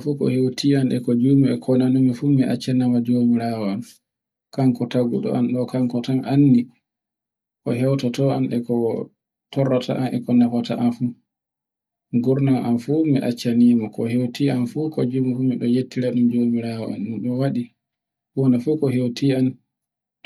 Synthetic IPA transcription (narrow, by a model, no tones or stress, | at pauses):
fukɔ̰hewtianɗɛkɔd͡ʒuːmiɛkʰɔnanumifumiʔa̰t͡ʃːanamad͡ʒomiɾawɔan | kaŋkɔtaɡṵɗɔ̰ʔanɗɔkaŋkɔtanʔanːi | kɔɦɛwtatɔanɗɛkɔ | tɔrːata̰ʔanʔɛkɔnafata̰ʔanfu | ɡuɾnanʔanfumiʔat͡ʃːanimɔkɔɦewtianfukɔd͡ʒumɔfumiɗɔjetːiɾaɗumd͡ʒomiɾaːwɔ̰a̰nɗumɗɔwaɗi | hɔnafukɔɦewtʰian